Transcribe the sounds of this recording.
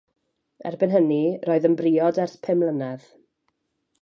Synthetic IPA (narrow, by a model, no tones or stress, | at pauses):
ɛ̰rbɪnɦəniroːɨðənbriːɔdɛrθpʰɪmlˠənɛð̥